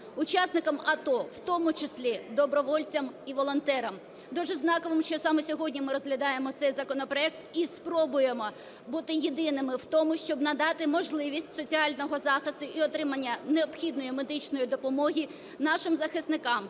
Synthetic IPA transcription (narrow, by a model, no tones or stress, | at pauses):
ʊt͡ʃɑsnɪkɐmɐt̪ɔwt̪ɔmʊt͡ʃɪsʲlʲid̪ɔbɾɔʋɔlʲt͡sʲɐmiʋɔlˠɔnt̪ɛɾɐm | d̪uʒɛznɑkɔʋɪmʃt͡ʃɔsɑmɔsʲɔɦɔdʲnʲimɪɾɔzɦlʲɐd̪ɑjemɔt̪sɛjzɐkɔnɔpɾɔɛk̚t̪ispɾɔbʊjemɔ | but̪ɪjid̪ɪnɪmɪwt̪ɔmʊʃt͡ʃɔbnɐd̪ɑt̪ɪmɔʒlˠɪʋʲisʲtʲsɔt͡sʲiɑlʲnɔɦɔzɑxɪst̪ʊʔiɔt̪ɾɪmɐnʲːɐneɔpxʲid̪nɔjimed̪ɪt͡ʃnɔjid̪ɔpɔmɔɦʲi | nɑʃɪmzɐxɪsnɪkɑm